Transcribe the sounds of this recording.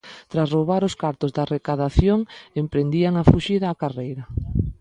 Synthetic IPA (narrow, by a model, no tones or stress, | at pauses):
t̪ɾasroβaɾʊskaɾt̪ʊzðarekaðaθjoŋempɾend̪iaŋafuʃiðaːkarejɾɐ